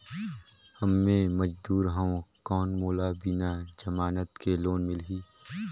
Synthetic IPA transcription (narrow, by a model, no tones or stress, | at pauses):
hɐmːẽmɐd͡ʒd̪uːɾɦãõkɔːnmoːlabɪnad͡ʒɐmaːnət̪keloːnmɪlɦiː